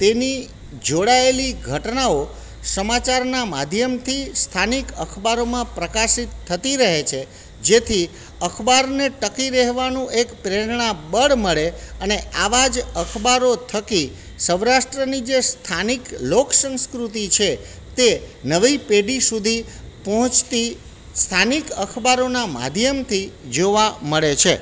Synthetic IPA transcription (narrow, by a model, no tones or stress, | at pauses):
t̪eni | d͡ʒoɽaeliɡʱəʈnao | səmat͡ʃaɾnamad̪ʱjəmt̪ʰist̪ʰanikəkʰbaɾomãpɾəkasit̪ʰːət̪iɾəɦet͡ʃʰe | d͡ʒet̪ʰi | əkʰbaɾneʈəkiɾəɦʋanũʔekpɾeɾɳãbəɽməɭeəneaʋad͡ʒəkʰbaɾot̪ʰəki | səʋɾaʃʈɾənid͡ʒest̪ʰanikloksə̃nskɾut̪it͡ʃʰe | t̪enəʋipeɖisud̪ʱipɔɦɔ̃t͡ʃt̪i | st̪ʰanikəkʰbaɾonama̰d̪ʱjəmt̪ʰid͡ʒoʋaməɭet͡ʃʰe